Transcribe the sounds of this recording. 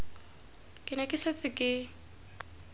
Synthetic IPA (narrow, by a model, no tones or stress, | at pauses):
kʼɪnɛkʼɪset͡sʼɪkʼɪ